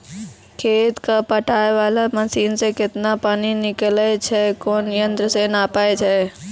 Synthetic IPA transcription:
kʰeːt̪kapəʈaːeʋalaməsiːnsekɪt̪napaːninɪklɛt͡ʃʰɛkoːnjə̃nt̪ɾəsenapaet͡ʃʰɛ

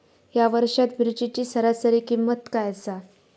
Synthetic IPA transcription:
jaʋəɾʂat̪bɾid͡ʑit͡ɕiːsəɾasəɾiːkimːət̪kajat͡sa

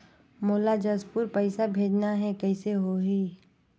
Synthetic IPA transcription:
moːlad͡ʒəspʊɾpəɪsabʱeːd͡ʒnaɦɛkɛɪseɦoɦiː

